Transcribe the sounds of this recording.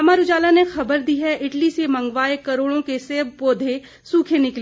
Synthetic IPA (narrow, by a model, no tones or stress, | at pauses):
ɐmaːɾud͡ʒaːlanexɐbəɾd̪iɦɛʔɪʈlisemɐ̃ŋɡʋaːekɐɾoːɽõkeseːbpoːd̪ʱe | suːkʰenɪkl